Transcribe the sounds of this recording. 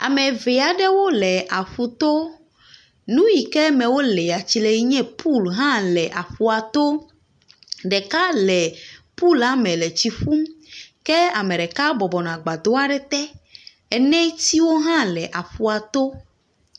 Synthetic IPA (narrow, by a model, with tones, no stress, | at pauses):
a̰˨mɛ̃˨ve˨a˨ɖɛ˦wo˦lɛ˨ʔa˨ɸu˨t̪o˦ | nũ˦ji˨kɛ˦mɛ̃˨wo˦lɛ˨a˨t͡ɕi˨lɛ˨ji˦ɲɛ̃˦pʰu˦˨lɦã˦lɛ˨ʔa˨ɸu˦a˨t̪o˦ | ɖɛ˨ka˦lɛ˨pu˦˨la˦mɛ̃˨lɛ˨t͡ɕi˨ɸu˦mkɛ˦a˨mɛ̃˨ɖɛ˨ka˦bɔ˨bɔ˨nã˨ɡ͡ba˨d̪o˦a˦ɖɛ˦t̪ɛ˦ | ɛ˨nɛ̃˦t̪i˦wo˦ɦã˦lɛ˨ʔa˨ɸu˨a˨t̪o˦